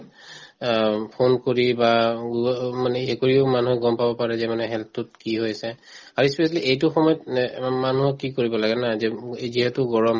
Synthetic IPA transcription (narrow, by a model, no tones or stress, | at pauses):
pʰonkoɹiba | manɛekoɹiomanuɦɛɡɔmpabɔpaɹɛzɛmanɛɦɛltʊt̚kiɦojasɛ | aɹuispɛsaliʔejtʊxɔmɔjɔtmanuɦɔkːikoɹibɔlaɡɛnazɛziɦɛtʊɡɔɹɔm